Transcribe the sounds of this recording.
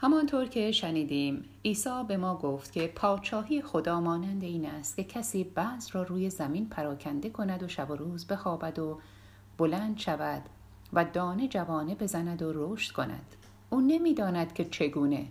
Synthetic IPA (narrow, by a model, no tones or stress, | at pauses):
hæmɒnt̪ʰoːɾcʰe̞ʃæniːd̪iːm | iːsɒːbe̞mɒːɡoft̪cʰʲe̞pʰɒːt͡ʃɒːɦijexo̞d̪ɒːmɒːnænd̪e̞iːnæst̪̚cʰe̞cʰæsiːbæːzrɒːruːje̞zæminpʰæɾɒːcʰænd̪e̞kʰo̞næd̪o̞ʃæbo̞ɾuːzbe̞xɒːbæd̪o | b̥olænd̪ʃævæd̪̥ | væd̪ɒːned͡ʒævɒːne̞be̞zænæd̪oroːʃt̪kʰo̞næ̰d̪̥ | ʔuːne̞miːd̪ɒːnæd̪̥cʰe̞t͡ʃʰe̞ɡuːne̞̰